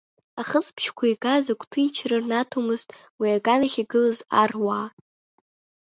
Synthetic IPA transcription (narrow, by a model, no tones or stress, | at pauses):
aχəsʰʼpʰʃkʷʰaiɡazakʷʰʼtʰɨnt͡ʃʰrɨrnatʰomɨztʼ | wiaɡʼanaχʲiɡɨlazarwaː